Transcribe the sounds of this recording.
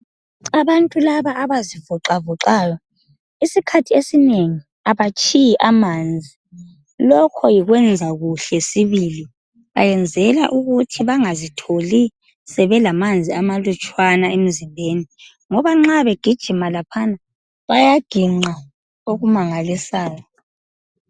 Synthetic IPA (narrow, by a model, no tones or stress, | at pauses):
aβantʼulaβaʔːβazivuǁavuǃaːjɔ | isikʰatʰiesineŋi | aβat͡ʃʰʼijiʔamand͡zʱi | lɔkʰɔjiɣwɛnd͡zʱaɣuɬɛsiβili | βa̰jɛnd͡zʱɛla̰ʔuɣutʰiβaŋazitʰoli | sɛβɛlamand͡zʱiamalut͡ʃʼwanaem̩zimbʱeni | ŋɔβaŋ͡ǁaβeɡ̥ʱid̥ʒ̥ʱimalapʰana | βajaɡ̥ʱiŋ͡ǃa | oɣumaŋalisaːjɔ